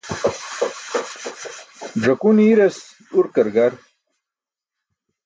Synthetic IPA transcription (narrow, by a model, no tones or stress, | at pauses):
ʐɐkuniɾes | uɾkɐɾɡaɾ